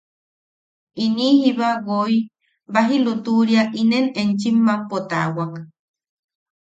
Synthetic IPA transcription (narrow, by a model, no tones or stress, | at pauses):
inihiβaɣoi | baɦilut̪uɾiaʔinenent͡ʃimːampot̪a̰wak